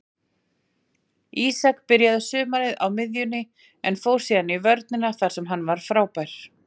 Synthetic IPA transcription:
iːsakpɪɾjaðʏsʏːmaɾɪðawmɪðjʏnːɪ | ɛnfoːwɾ̥siːðanivœɾt̪̚nɪnaθaɾ̥sɛmɦanːvaɾ̥fɾaːwpajɾ̥

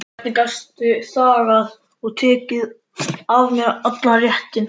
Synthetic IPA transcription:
ɛt̪nɪkast̪ʏsaːɾað | ɔɣt̪ʰɛːcɪð | avmjɛɾat̪larjɛhc̪ɪn

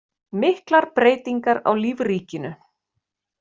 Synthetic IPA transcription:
mɪhklaɾpɾeːjt̪iŋkaɾa̰wliːvriːcɪnʏ

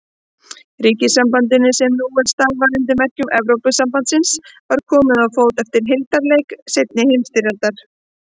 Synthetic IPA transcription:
riːcɪsampant̪̬ɪnːɪsɛmnuɛnst̪alvaɾɪnt̪̬ɪmɛhcʏmʔɛvɾowpʏsampant̪sɪnsvaɾ̥kʰɔːmɪðaðfoːwt̪ɛft̪ɪɾ̥ɦɪlt̪aɾlejksejt̪nɪhemst̪ɪɾalt̪aɾ̥

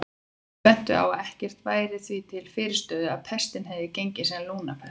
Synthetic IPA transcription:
ɛn̥t̪ʏ̰a̰waðɛhcɛr̥t̪vaːjɾɪθvit̪ʰɪlfɪːɾɪ̥ɾst̪œːðʏaðpʰɛst̪ɪnɦɛvɪcejɲcɪsɛluːnapʰɛ̥

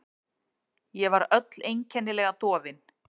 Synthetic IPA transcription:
jɛvaɾœt̪lejɲcʰɛnːɪlɛɣat̪ɔːvɪn

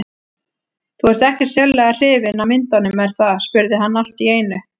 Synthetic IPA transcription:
θuɛɾ̥t̪ɛhcɛɾ̥t̪sjɛllːɛɣar̥ɪːvɪnamɪnt̪anʏmɛɾ̥θaðspʏɾðɪɦanːal̥t̪ieːjnʏ

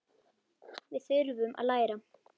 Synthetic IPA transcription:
vɪðθʏɾvʏmʔa̰ðlaːjɾa

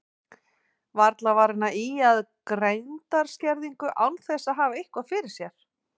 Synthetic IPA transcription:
vaɾt̪lavaɾɪnːaʔiaðkɾejnt̪aɾ̥scɛɾðiŋkʏʔawnθɛsaðɦaːvaehkvafɪɾɪɾ̥sjɛɾ̥

